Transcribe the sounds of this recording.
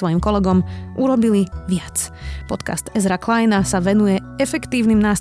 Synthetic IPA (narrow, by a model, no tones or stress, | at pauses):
ʋɔjimkɔlɛɡɔmʔuɾɔbiliʋɪat͡spɔt̪ka̰st̪ɛzɾaklajnasaʋɛnujɛɛfɛkt̪iːʊnimnaːs